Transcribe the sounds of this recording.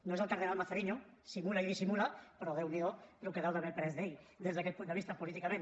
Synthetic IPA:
noeselk̪aɾðenalmaθeɾiɲo | simulaiðisimulapeɾoðewniðolokeðawt̪amepɾezðej | d̪ezðakepunt̪eist̪apolit̪ikamẽn

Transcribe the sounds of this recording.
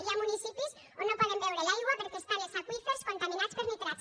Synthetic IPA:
ɾiamunisipis | onõpɔðembewɾelajɣwapeɾkest̪aɾesakwiθeɾskont̪amĩnat̪speɾmit̪ɾa

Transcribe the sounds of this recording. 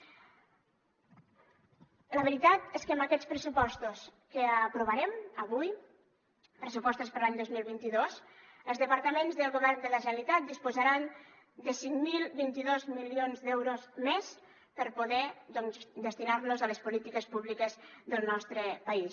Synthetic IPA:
ləβəɾit̪at̪eskəmbəkɛt͡sspɾəsupɔst̪uskəəpɾuβəɾɛməβuj | pɾəsupɔst̪uspəɾlaɲd̪ozmilˠβint̪iðoz | əlˠzðəpəɾt̪əmenzðəlˠɣuβɛrnd̪ələʒənəlit̪at̪̚d̪ispuzəɾan | d̪əsiŋmilˠβint̪iðozmilionzd̪ɛwɾozmɛs | pəɾpuðɛd̪ɔnzd̪əst̪inaɾnuzələspulit̪ikəspuβlikəzðəlˠnɔst̪ɾəpəis

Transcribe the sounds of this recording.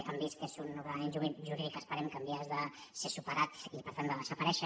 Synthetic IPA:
tambiskesunuβamenʒuʒuɾiðikəspəɾemkambjazðəsesupəɾat̪ipəɾt̪and̪əðəzəpaɾɛʃə

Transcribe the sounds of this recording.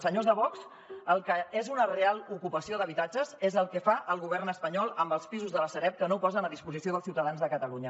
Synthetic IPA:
səɲozðəβɔks | əlˠkəezunərealˠukupəsioðəβit̪ad͡ʒəzezəlˠkɛfaʔəlˠɣuβ̞ɛrnəspəɲɔlˠəmbəlˠspizuzðələsəɾɛp̚kənopɔzənəðispuzisioð̞əlˠsiwt̪əðanzðəkət̪əluɲə

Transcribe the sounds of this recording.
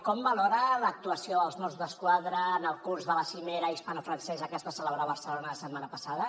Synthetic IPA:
kɔmbəlɔɾələk̚t̪uəsioəlˠzmɔrzðəskwaðɾəːnəlˠkurzðələsimɛɾəispanafɾənsɛzəkəzβasələβɾaβərsəlonəəsədmanəpəsaðə

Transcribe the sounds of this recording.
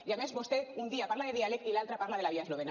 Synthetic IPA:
jamezbost̪eund̪iapaɾlaðeðialekilalt̪ɾapaɾlaðe̞laβiaeloβena

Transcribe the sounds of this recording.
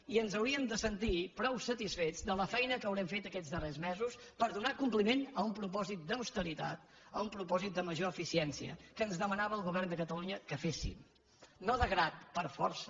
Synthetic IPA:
iənzəwɾiəmd̪əsənt̪ipɾɔwsət̪isfed͡zd̪ələfɛjnəkəwɾɛmfet̪əkɛd͡zzðərezmɛzuspəɾðunakumplimenəumpɾup̬ɔzit̪̚d̪əwst̪əɾit̪a̰t̪ | əumpɾupɔzit̪̚d̪əməʒoəfisiɛnsiə̰kəːnzðəmənaβəːlˠɣuβɛrnd̪əkət̪əluɲəkəfesḭm | noðəɣɾat̪̚pəɾfɔ̰ɾsə

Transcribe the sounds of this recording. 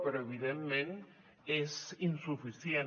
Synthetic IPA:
peɾoeβiðemmẽn | esinsufiθjen

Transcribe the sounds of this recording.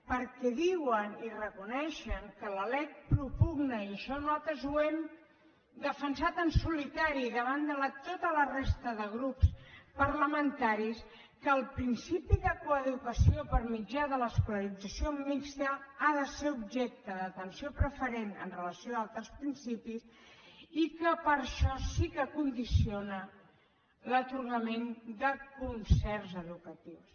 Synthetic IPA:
pəɾkɛðiwənirəkunɛʃəŋkələlɛk̚pɾupuɣnəiəʃɔnɔt̪əzuɛm | d̪əfənsat̪ənsulit̪aɾiðəβand̪ələt̪ot̪ələrest̪əðəɣ̞ɾupspəɾləmənt̪aɾis | kəːlˠpɾinsipiðəkuəðukəsiopəɾmid͡ʒaðələːskuləɾid͡zəsiomikst̪əaðəseubʒɛk̚t̪əðət̪ənsiopɾəfəɾenə̰nrələsjoaalˠt̪ɾəspɾinsipis | ikəpəɾʃɔsikəkund̪isionə | lət̪uɾɣəmend̪əkunsɛɾzəðukət̪iws

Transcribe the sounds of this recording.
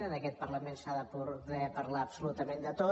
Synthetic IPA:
nəðəkɛt̪̚pəɾləmensaðəpuðɛpəɾlaəbsulut̪əmẽnd̪ət̪o

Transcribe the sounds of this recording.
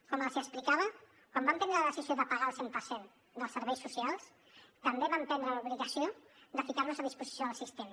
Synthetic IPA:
kɔməlziəsplikaβ̞ə | kwambampɛnɾəlðəsizioðəpəɣaəlˠsempəɾsen | d̪əlˠsəɾβɛjsːusialˠs | t̪əmbeβampɛnd̪ɾəluβliɣəsio | d̪əfikaɾrnuzəðispuzisioəlˠsist̪em

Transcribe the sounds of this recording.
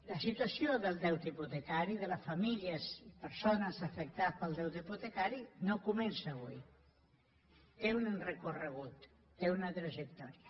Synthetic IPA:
ləsit̪wəsioðəlˠd̪ɛwt̪iput̪əkaɾiðələfamiʎəsipəɾsonəzafək̚t̪apəlˠd̪ɛwt̪iput̪əkaɾinokumɛnsaːβui | t̪eunnrəkurəɣ̞ut̪ː | eunət̪ɾəʒək̚t̪ɔɾiə

